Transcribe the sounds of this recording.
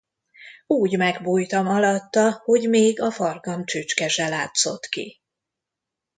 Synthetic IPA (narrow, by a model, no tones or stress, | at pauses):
uːɟmɛɡbuːjt̪ɒmɒlɒt̪ːɒho̞ɟmeːɡɒfɒrɡɒmt͡ʃøːt͡ʃkɛʒɛlaːt̪so̞̰t̪kḭ